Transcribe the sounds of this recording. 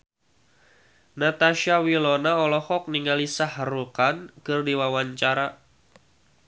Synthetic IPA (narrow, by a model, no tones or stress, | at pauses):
nat̪aʃiawilɔnaɔlɔhɔk̚niŋɡalisahrukankɨrdiwawaɲt͡ʃaɾa